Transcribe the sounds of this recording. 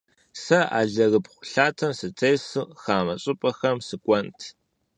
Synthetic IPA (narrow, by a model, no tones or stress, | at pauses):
sɐʔa̰ːɮɐrɨpχʷʊ̥ɬaːtʰɐmsɨtʰeːsɨxaːmɐɕʼɪpʼɐxɐmsɨkʷʼɔntʰ